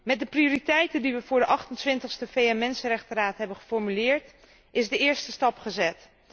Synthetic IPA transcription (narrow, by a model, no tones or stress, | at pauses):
mɛdəpriʊːritɛjtəndiʋəvʊːɹdəʔɑχtəntʋɪntəχstəfejɛnmɛnsənrɛχtəraːtɦɛbənχəfɔɹmylɪːɹt | ʔɪzdəɪːɹstəstɑpχəzɛt